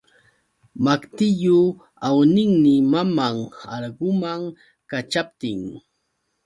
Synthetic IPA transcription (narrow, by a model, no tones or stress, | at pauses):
makt̪ɪjʊ | awnɪŋmɪmamaŋaɾɢʊmaŋ | kat͡ʃap̚t̪ɪŋ